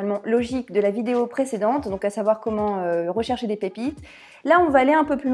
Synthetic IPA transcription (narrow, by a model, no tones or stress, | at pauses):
almɑ̃lɔʒikd̪əlavid̪eopχesed̪ɑ̃t̪d̪ɔ̃kasavwaʁkɔmɑ̃øʁəʃɛʁʃed̪epepit̪ | laɔ̃vaːleɛ̃pøply